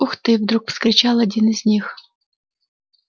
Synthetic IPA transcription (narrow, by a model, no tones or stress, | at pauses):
uxt̪ɨvd̪ɾukfskɾʲɪt͡ɕalˠɐdʲinɨzʲnʲix